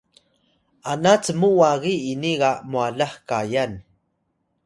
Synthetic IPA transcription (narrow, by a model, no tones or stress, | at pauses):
anat͡səmuwaɣiːniɣamuaɮaχkajan